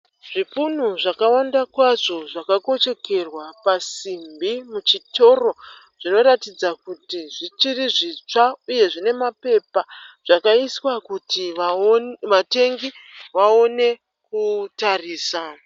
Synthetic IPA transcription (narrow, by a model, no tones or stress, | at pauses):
ʐ̥ipunuʐakawandakwaʐo̞ʐakako̞t͡ʃe̞ke̞rwapasimbimut͡ʃito̞ro̞ | ʐ̥ino̞ɾatid͡zakutiʐit͡ʃiriʐit͡ʂauje̞ʐine̞mape̞paʐ̥akaiswakuti | ʋate̞ŋɡiʋaone̞ | kutariːsa